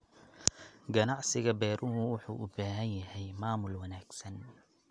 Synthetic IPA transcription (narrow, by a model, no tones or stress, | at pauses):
ɡɐnɑʕsɪɣɐbɛːɾʊɦʊwʊħṵːʔʊbaːɦɐnjɐɦɛjmaːmʊlwɐnaːɡsɐn